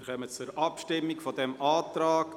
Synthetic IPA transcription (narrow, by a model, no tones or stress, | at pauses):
χœmət͡suɾʔɑpʃtɪmːɪkfɔdɛmʔaːt̪ɾaːk